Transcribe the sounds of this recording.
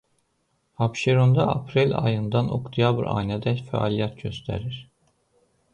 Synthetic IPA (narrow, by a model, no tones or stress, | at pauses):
apʃeɾond̪aa̰pʰɾilʲa̰jɯnd̪ano̰kt̪ʰijabɾa̰jnɛd̪ɛcfɛ̰a̰lʲijɛt̪̚ɟøst̪ʰɛ̰ɾiɾ̥